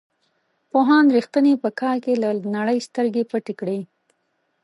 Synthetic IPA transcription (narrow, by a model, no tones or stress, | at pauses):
poɦɑnɾixt̪ənepəkʰɑɾkelanaɽəjst̪əɾɡepəʈekɽe